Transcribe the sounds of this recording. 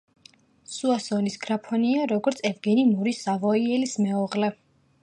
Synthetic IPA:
suasɔnisɡ̥ɾapʰɔniaɾɔɡɔɾt̪sʰɛvɡɛnimuɾisavɔiɛlismɛɔʁlɛ

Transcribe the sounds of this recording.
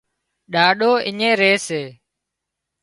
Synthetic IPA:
ɗaːɗoːʔɪɲẽːɾeːseː

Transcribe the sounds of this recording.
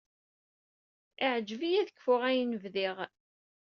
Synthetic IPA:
ɪʕd͡ʒvijæðəkːfʊʁæjnəvðiʁ

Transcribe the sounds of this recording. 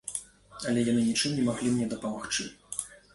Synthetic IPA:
ɐlʲɛjanɨnʲit͡ʂɨmnʲɛmaɣlʲimnʲɛd̪ɐpɐmaxt͡ʂɨ

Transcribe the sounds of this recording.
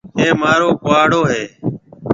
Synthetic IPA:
eːmaːɾoːkʊaːɽoːɦeː

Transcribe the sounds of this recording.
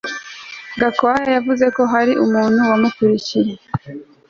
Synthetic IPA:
ɡakoajajavuze̞ko̞ɦaɾiʔumuːn̥huwamukuɾiciɾe

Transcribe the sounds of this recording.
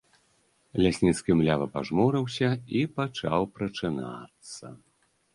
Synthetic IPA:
lʲasʲnʲit̪skʲimlʲavɐpa̰ʐmɔɾɨwsʲɐipat͡ʂawpɾɐt͡ʂɨna̰t̪sːɐ̰

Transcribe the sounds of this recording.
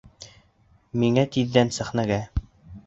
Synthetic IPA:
miŋæt̪iðːænsæχnæɡæ

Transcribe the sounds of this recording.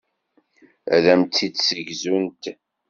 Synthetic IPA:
æ̰ðæmt̪ːidsəʝzunt̪

